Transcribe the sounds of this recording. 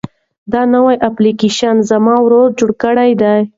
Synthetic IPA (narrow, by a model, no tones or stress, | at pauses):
d̪ɑnawajʔaplikeʃanzamɑwɾod̪̚d͡ʒoɽkəɽajd̪aj